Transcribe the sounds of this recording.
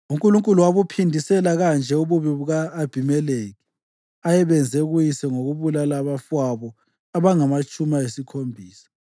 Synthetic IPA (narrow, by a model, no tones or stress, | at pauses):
uŋkʼuluŋkʼuluwaβupʰindʱisɛlaɣand͡ʒʱɛuβuβiβuɣaːb̥ʱimɛleɣi | ajɛβɛnd͡zʱɛɣujisɛŋoɣuβulalaβafwaβɔ | aβaŋamat͡ʃʼumaesikʰombʱiːsḁ